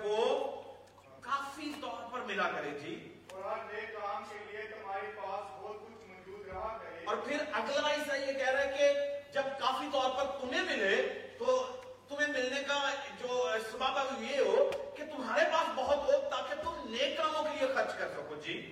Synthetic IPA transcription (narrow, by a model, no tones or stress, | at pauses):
ʋo | kaːfiɪst̪ɔːɾpɐɾmɪlakɐɾed͡ʒiː | ɾaneːkːaːmkeliet̪ʊm̤aːɾepaːsbɔːt̪̚kʊt͡ʃʰmɐd͡ʒuːd̪ɾɐɦakɐɾeɔːɾpʰɪɾɐɡləɾaːisajekɛɦɾaɦɛked͡ʒɐb̚kaːfit̪ɔːɾpɐɾt̪ʊmɦẽmɪlet̪o | t̪ʊmɦemɪlnekad͡ʒoːsɐbaːbaljeɦoket̪ʊmɦaːɾepaːsbɐɦʊt̪ɦoːɡ̚t̪aːkɪt̪ʊmneːkːãːmõkeliexɐɾt͡ʃkɐɾsɐkod͡ʒiː